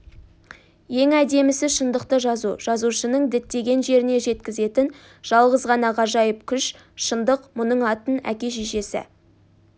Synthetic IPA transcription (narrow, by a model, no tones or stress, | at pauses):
je̞ŋæd̪e̞mɪsɪʃənd̪əqt̪əʒɑzṵʒ̥ɑzuʃənəɴd̪ɪt̪ːe̞ɡʲe̞nʒe̞ɾɪne̞ʒe̞t̪kʲɪze̞t̪ɪn | ʒ̥ɑlˠʁəzʁɑnɑʁɑʒɑjəp̚kʲʰʏʃ | ʃənd̪əqmʊnəɴɑt̪ənæ̰kʲe̞ʒiʒe̞sɪ̰